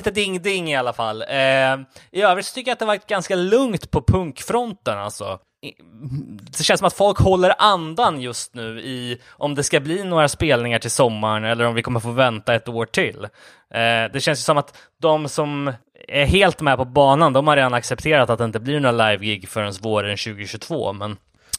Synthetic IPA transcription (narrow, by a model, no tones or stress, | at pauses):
iːt̪əd̪ɪŋːd̪ɪŋːɪalːafalː | ɪøːvɾɪt̪sɔt̪ʰʏkːəjat̪d̪ɛavaʈ̪̚ɡanskalɵŋt̪pʰɔpʰɵŋkfɾɔnt̪əna̰lt̪sɔ̰ | d̪ɛʃɛnsɔmat̪fɔlkhɔlːəɾʔand̪anjɵst̪nʉ̟ːɪ | ʔɔmd̪ɛskabliːnoːɾaspeːlnɪŋaʈʰɪlsɔmːaɳɛlːəɾɔmvɪkʰɔmːəɾfoːvɛnt̪aɛt̪oːʈʰɪlː | d̪ɛɕɛns̬jəsɔmat̪ | d̪ɔmsɔm | æɾɦeːlt̪mɛpʰɔbɑːnand̪ɔmhaɾeːd̪anaksɛp̚t̪ʰeːɾat̪at̪̚d̪ɛɪnt̪əblɪɳoːɾalajvɡɪɡfœɾɛnsvoːɾnɕʉ̟ːɡɪɕɵt̪ʰv̥o̰ːmɛn